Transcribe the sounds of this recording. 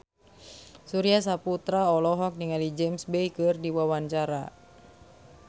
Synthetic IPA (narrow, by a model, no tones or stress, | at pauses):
suɾias̬aput̪ɾaɔlɔɦɔk̚niŋalid͡ʒɛmsbɛjkɨrdiwawaɲt͡ʃaɾa